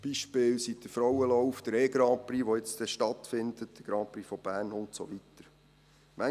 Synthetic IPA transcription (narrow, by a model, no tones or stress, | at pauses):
b̥iʃpɪːlsid̥̪əfɾɔwəlɔʊfd̥əɾeːɡɾɑːpriːʋoɪt͡sd̥̪ɛʃtɑt̪fɪnd̪̥ət̚d̥əɡ̥ɾɑːprifɔb̥æːɾnʊntso̰ʋit̪əɾ | mæ